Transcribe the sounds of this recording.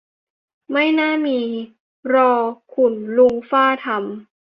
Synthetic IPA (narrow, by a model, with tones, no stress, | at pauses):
ma˥˩jnaː˥˩miː˧ | ɾɔː˧kʰu˨˩nlu˧ŋfaː˥˩t̪ʰa˧m